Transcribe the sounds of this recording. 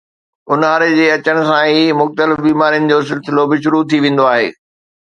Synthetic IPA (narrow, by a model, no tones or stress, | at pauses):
ʊnaːɾed͡ʑeːɐt͡ɕəɽ̃ʊ̆sãimʊxt̪əlɪfbiːmaːɾijənɪ̆d͡ʑoːs̬ɪlsɪlobɪʃʊɾut̪ʰiʋẽːn̆d̪oaːɦeː